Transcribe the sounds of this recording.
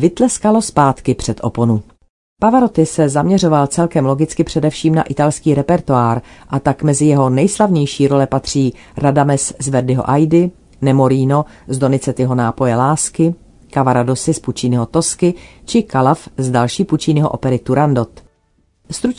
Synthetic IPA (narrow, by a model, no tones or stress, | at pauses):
vɪt̪lɛskalo̞spaːt̪kɪpr̝̥ɛt̪ʔo̞̰po̞nu | pavaɾot̪ɪsɛzamɲɛr̝o̞valt͡sɛlkɛmlo̞ɡɪt͡skɪpr̝̥ɛdɛfʃiːmna̰ʔɪt̪alskiːɾɛpɛɾt̪uaːɾʔat̪akmɛzɪjɛɦo̞nɛjslavɲɛjʃiːɾo̞lɛpat̪r̝̥iː | ɾadamɛszvɛɾdɪɦo̰ʔajdɪ | nɛmoɾiːno̞ | zdo̞nɪt͡sɛt̪ɪɦo̞naːpo̞jɛlaːskɪ | kavaɾadosɪsput͡ʃɪnɪɦo̞t̪o̞skɪt͡ʃɪkalafzdalʃiːput͡ʃɪnɪɦoʔo̞̰pɛɾɪt̪uɾando̞t̪ | st̪ɾu